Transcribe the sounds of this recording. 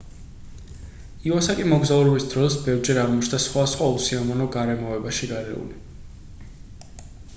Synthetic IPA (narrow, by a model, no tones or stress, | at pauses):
iasakʼimɔɡzauɾɛbisd̪ɾɔsbɛvɾd͡ʒɛɾaʁmɔt͡ʃʰnasχwasχwausiamɔnɔɡaɾɛmɔɛbaʃiɡaɾɛ̰ṵli